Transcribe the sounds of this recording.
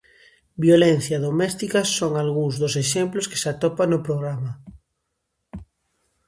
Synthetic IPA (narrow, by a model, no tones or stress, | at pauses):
bjolenθjɐðomɛst̪ikɐsoŋalɣuŋzðoseʃemploske̥sat̪ɔpaŋnopɾoɣ̞ɾama